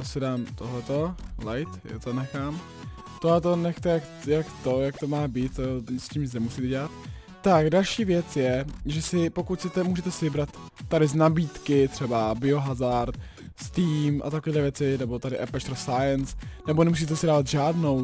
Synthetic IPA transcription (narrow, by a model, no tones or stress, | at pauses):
osɪdaːmt̪oɦlɛt̪o̞lajt̪ja̰t̪onɛxaːm | t̪oɦlɛt̪o̞nɛxt̪ɛjak | jakt̪ojak̚t̪omaːbiːt̪ːoscimznɛmusiːt̪ɛɟɛlat̪ː | akdalʃiːvjɛt͡sjɛʒɛsɪpo̞kut̪sɛt̪ɛmuːʒɛt̪ɛsɪvɪbɾat̪ː | aɾɪznabiːt̪kɪt̪r̝̥ɛbabɪo̞ɦazaɾt̪ | st̪iːmʔa̰t̪akoviːdlɛvjɛt͡sɪnɛbo̞t̪adɪʔɛpɛʃt̪ɾosajɛnsnɛbonɛmus̬iːt̪ɛsɪdaːvat̪ʒaːdno̞w